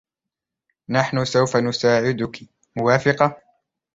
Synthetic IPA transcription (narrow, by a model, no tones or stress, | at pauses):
naħnʊsawfanʊsaːʕɪd̪ʊkɪ | mʊwaːfɪqɑ